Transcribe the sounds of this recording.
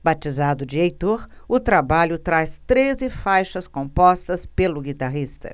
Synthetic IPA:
bat͡ʃizad̪ʊd͡ʒɪejt̪oɾʊt̪ɾabaʎʊt̪ɾast̪ɾezɪfajʃɐskõpɔst̪ɐspelʊɡit̪aɦist̪ɐ̰

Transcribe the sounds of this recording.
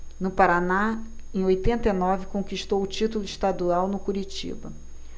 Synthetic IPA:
nʊpaɾana | ẽj̃ojt̪ẽnt̪ɐinɔvɪkõkiʃt̪owʊt͡ʃit̪ulʊɪʃt̪ad̪uawnʊkuɾit͡ʃḭbɐ

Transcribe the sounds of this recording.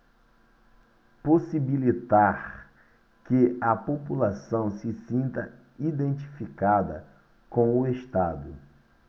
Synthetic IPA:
posibilit̪aɾ | kɪɐpopulasɐ̃w̃sɪsĩnt̪ɐ | id̪ẽnt͡ʃi̥fikad̪ɐ̰ | kõw̃ʊeʃt̪ad̪ʊ

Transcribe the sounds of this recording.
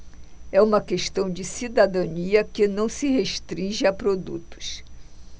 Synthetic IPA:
ɛũmɐkeʃt̪ɐ̃w̃d͡ʒɪsid̪ad̪ɐ̃niɐkɪnɐ̃w̃sɪheʃt̪ɾĩʒɪapɾod̪ṵt̪ʊ̥s

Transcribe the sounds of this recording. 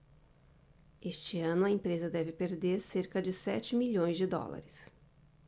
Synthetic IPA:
est͡ʃɪɐ̃nʊɐẽpɾezɐd̪ɛvɪpeɾd̪eɾseɾkɐd͡ʒɪsɛt͡ʃɪmiʎõj̃zd͡ʒɪd̪ɔ̰la̰ɾɪs

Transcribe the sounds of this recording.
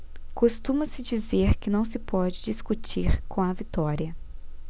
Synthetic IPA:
kost̪ũmɐsɪd͡ʒizeɾkɪnɐ̃w̃sɪpɔd͡ʒɪd͡ʒiskut͡ʃiɾkõɐvit̪ɔɾiɐ

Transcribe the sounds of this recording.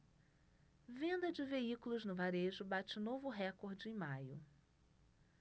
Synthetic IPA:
vẽnd̪ɐd͡ʒɪveikulʊznʊvaɾeʒʊbat͡ʃɪnovʊɦɛkoɾd͡ʒɪẽmajʊ

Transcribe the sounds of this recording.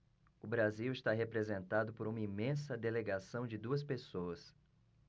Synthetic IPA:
ʊbɾaziwɪst̪aɦepɾezẽnt̪ad̪ʊpoɾũmɐimẽsɐd̪eleɡasɐ̃w̃d͡ʒɪd̪uɐs̬pesoɐs

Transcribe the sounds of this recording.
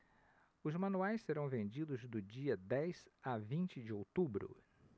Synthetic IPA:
ʊzmɐ̃nuajsseɾɐ̃w̃vẽnd͡ʒid̪ʊzd̪ʊd͡ʒiɐd̪ɛjz̥avĩnt͡ʃɪd͡ʒɪowt̪ubɾʊ̰

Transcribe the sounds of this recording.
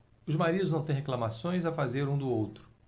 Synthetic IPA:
ʊzmaɾid̪ʊznɐ̃w̃t̪ẽj̃ɦeklɐmasõj̃zafazeɾũd̪ʊowt̪ɾʊ̥

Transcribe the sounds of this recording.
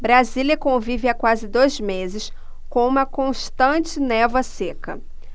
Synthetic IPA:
bɾaziliɐkõvivɪakwazɪd̪ojzmezɪs | kõũmɐkõʃt̪ɐ̃t͡ʃɪnɛvɐsekɐ

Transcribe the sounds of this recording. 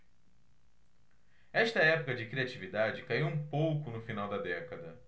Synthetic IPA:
ɛʃt̪ɐɛpʊkɐd͡ʒɪkɾiat͡ʃivid̪ad͡ʒɪkaiwũpowkʊnʊfinawd̪ɐd̪ɛkɐd̪ɐ

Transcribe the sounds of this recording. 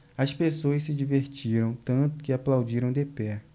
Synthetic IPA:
ɐspesoɐssɪd͡ʒiveɾt͡ʃiɾɐ̃w̃t̪ɐ̃nt̪ʊ̥kɪaplawd͡ʒiɾɐ̃w̃d̪epɛ

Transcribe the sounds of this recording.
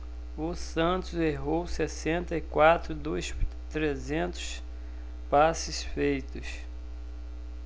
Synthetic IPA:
ʊsɐ̃nt̪ʊzeɦowsesẽnt̪ɐɪkwat̪ɾʊd̪ojs | t̪ɾezẽnt̪ʊ̥s | pasɪsfejt̪ʊs

